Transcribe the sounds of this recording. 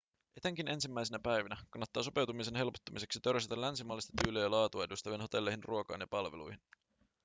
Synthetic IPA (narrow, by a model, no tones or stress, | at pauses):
ʔe̞t̪e̞ŋk̟inʔe̞nsimːæjsenæpæjʋinækɑnːɑt̪ːɑːso̞pe̞wt̪umis̬e̞nɦe̞lpo̥t̪ːumise̞ksit̪ø̞ɾset̪ælːænsimɑːlːist̪ɑ̥t̪yːleːjɑlɑːt̪uɑe̞dust̪æʋino̞t̪e̞lːe̞jhinrʔuokɑ̰ːnjɑpɑlʋḛlṵjhin